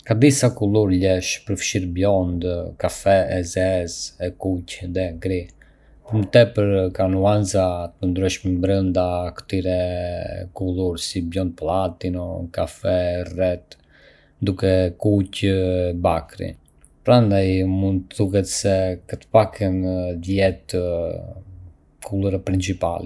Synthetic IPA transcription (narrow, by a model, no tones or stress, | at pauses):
kad̪isakulˠuɾʎɛʃpəɾfʃiɾbjɔnd̪kafɛɛzɛzɛkucðɛɡɾi | pəɾmət̪ɛpəɾkanuanzat̪ənd̪ɾɛʃmɛbɾənd̪akə̥t̪iɾɛ | kulˠuɾsibjɔnd̪̚plˠat̪inɔkafɛrɛt̪ | d̪ukɛkucbakɾḭ | pɾand̪ajmund̪θukɛt̪sɛkət̪ə̥pakʰɛnəðjɛt̪ə | kʰulˠəɾɛpɾint͡ʃipa̰lɛ